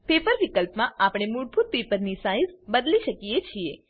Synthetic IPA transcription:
pepəɾʋikəlpmãapɽ̃emuɽ̚bʱut̪̚pepəɾnisaĩzbəd̪liʃəkijet͡ʃʰie

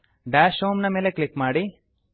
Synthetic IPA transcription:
ɖaːʃoːmnɐmeːleklikmaːɽi

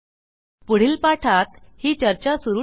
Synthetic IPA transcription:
puɽ̤iːlpaʈʰat̪hiːt͡ɕəɾt͡ɕasuɾuː

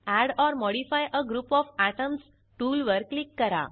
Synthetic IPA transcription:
æɽɔɾmɔɽifajʔəɡɾuːpɔfaʈəms | ʈuːlʋəɾklikːəɾa̰

